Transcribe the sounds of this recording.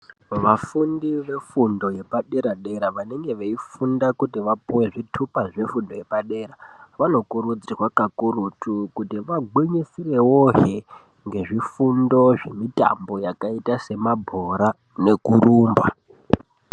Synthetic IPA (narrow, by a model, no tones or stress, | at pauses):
ʋafundiʋe̞fundo̞je̞paɗe̞ɾaɗe̞ɾaʋane̞ŋɡe̞ʋeifundakutiʋapuwe̞ʐitʰupaʐefundo̞je̞paɗe̞ːɾaʋano̞kurud͡zirwakakurutukutiʋaɡwiɲisire̞woɦe | ŋɡe̞ʐifundo̞ʐe̞mita̰mbo̞jakaitase̞mabʱo̞ɾa | ne̞kuruːmbwa